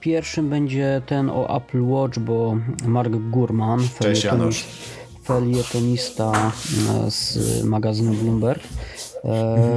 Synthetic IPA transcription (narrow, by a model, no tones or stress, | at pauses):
pʲjɛɾfʂɘmbɛɲd͡ʑɛt̪ɛnɔ̰ʔa̰plwɔt͡ʂbɔmaɾɡɡuɾmanfɛɛɛ | fɛljɛt̪ɔɲist̪a | z̥maɡazɘnublumbɛɾk